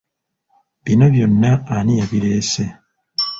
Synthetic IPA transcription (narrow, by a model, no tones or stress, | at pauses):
βinoβjonːaːnijaβiɾeːse